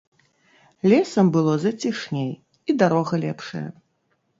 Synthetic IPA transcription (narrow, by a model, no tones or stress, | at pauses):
lʲɛsɐmbɨlˠɔzɐt͡sʲiʂnʲej | id̪aɾɔɣɐlʲɛpʂɐ̰jɐ̰